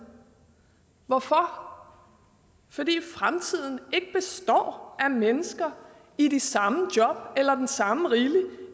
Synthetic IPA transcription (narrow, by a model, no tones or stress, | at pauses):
ʋɒfɒ | fɒ̽d̥ḭːfʁamt͡sʰið̞̰ˠn̩e̝ɡ̥əb̥e̝sd̥ɒ̰ːʔæmenəsɡ̥ɐ | idisɑ̈məd̥jɒ̽b̥̚elɐd̥ensɑ̈məʁiːli